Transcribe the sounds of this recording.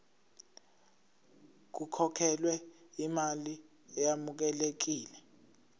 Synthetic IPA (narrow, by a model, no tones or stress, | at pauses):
k̬ukʰɔkʰɛlwɛimali | ɛjamuk̬ɛlek̬iːlɛ